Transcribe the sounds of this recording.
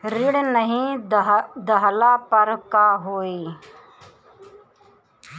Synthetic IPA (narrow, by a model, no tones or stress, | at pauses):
ɾɪɽnəɦĩ | d̪əɦlapəɾkaɦoːiː